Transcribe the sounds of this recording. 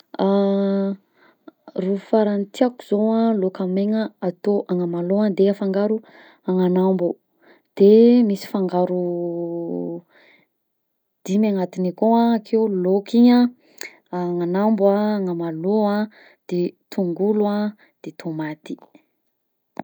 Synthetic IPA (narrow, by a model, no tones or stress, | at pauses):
a | rufaɾant̪iaku̥z̥oalokameŋəat̪oʔaŋəmaload̪eafaŋɡaɾu | aŋanambu | d̪̥emisi̥faŋɡaɾu | d̪̥imiaŋat̪inikoaakʰewlokiɲa | ŋanambaːŋamaloa | d̪̥et̪ʰuŋɡulua | d̪̥et̪ʰomat̪i̥